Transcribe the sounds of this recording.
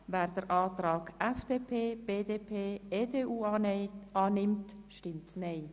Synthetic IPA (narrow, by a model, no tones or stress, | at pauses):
vɛːɾdəɾʔɑːt̪ɾɑːɡʔɛfd̥eːpʰeːb̥eːdeːpʰeːeːdeːuː | ɑːnɪmtʃtɪmtneɪ